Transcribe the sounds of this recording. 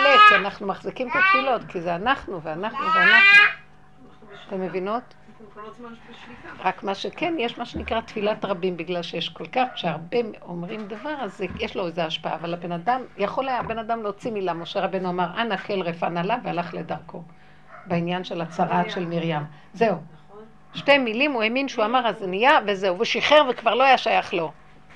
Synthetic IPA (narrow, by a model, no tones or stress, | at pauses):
lokianaχnumaχzikimt̪at̪filo̞t̪kizeanaχnuveanaχnuveanaχnu | t̪emːevino̞t̪ | ʁakmaʃeke̞njeʃmaʃe̞nikʁat̪filatʁabimbiɡlalʃejeʃkolkaχʃeaʁbeomʁimd̪avaʁazejeʃloezeaʃpaa̰ːvalabe̞nadamjaχo̞lajabe̞nadamleot͡similamo̞ʃeʁabenuamaʁʔanakʰelʁefanalavealaχledaʁkʰo̞ | beinjanʃe̞lat͡saʁatʃe̞lmiʁjam | ze̞u | ʃte̞milimueminʃeuamaʁaznijavezeuveʃiχe̞ʁvekvaʁlo̞ajaʃajaχlo̞